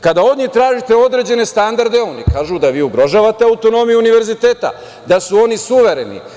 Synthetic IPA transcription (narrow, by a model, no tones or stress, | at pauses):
kad̪ao̞d̪ɲixt̪ɾaːʒit̪e̞o̞d̪ɾe̞d͡ʑe̞ne̞st̪and̪aɾd̪eo̞nikaːʒud̪aʋiːuɡɾo̞ʒaːʋat̪eawt̪o̞no̞mijuuniʋe̞ɾzit̪eːt̪a̰ | d̪asuo̞nisuʋe̞ɾe̞nḭ